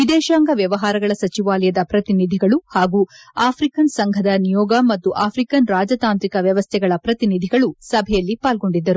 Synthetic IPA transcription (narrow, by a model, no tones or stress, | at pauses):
ʋid̪ɛːʃaːŋɡɐʋjɐʋɐɦaːɾɐɡɐɭɐsɐt͡ʃiʋaːlɛjɐd̪ɐpɾɐt̪inid̪ʱiɡɐɭuhaːɡuːaːpʰɾikɐnsɐŋɡʱɐd̪ɐnijɔːɡɐmɐt̪ːuʔaːpʰɾikɐnɾaːd͡ʒɐt̪aːnt̪ɾikɐʋjɐʋɐst̪ʰɛɡɐɭɐpɾɐt̪inid̪ʱiɡɐɭusɐbʱɛjɐlːipaːlɡo̞ɳɖid̪ːɐɾu